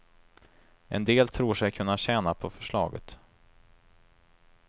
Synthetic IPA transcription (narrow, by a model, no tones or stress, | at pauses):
ɛnd̪eːlt̪ʰɾuːʂɛjkʰɵnːaɕɛːnapʰɔfœʂɭɑ̰ːɡə̰t̪